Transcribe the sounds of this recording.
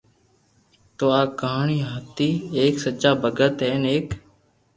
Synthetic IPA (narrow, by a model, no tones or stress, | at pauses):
t̪oːaːkəɦaːɳiːɦət̪iːeːksət͡ʃaːbəɡət̪ɦeːneːk